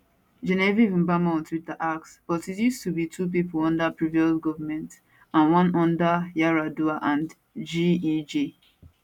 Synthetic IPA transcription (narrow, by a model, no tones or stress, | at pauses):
d͡ʒɛnɛvivĩmbamaɔ̃ntwitaʔaksb̥ɔtitjustubitʰup̬ipɔlɔ̃ndapɹiviɔsɡɔvəmɛ̃nt | ãnwɔ̃nɔ̃ndajaɹaduaʔãn | d͡ʒiid͡ʒe